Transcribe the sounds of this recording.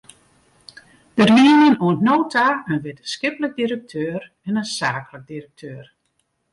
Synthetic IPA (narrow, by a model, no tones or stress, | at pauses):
d̥ərjiənjənoəntnoːtʰaənʋɪtəskɪplək̚diɾək̚tʰøːr | ɛnənsaːklək̚dirək̚tʰøːr